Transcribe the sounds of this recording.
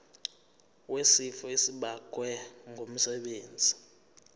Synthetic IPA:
wesifɔesiɓakʼwɛŋɡʱom̩sɛɓeːnd͡zʱi

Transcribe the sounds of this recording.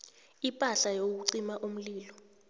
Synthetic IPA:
ipʼaɬajok̬uǀimaʔum̩liːlɔ

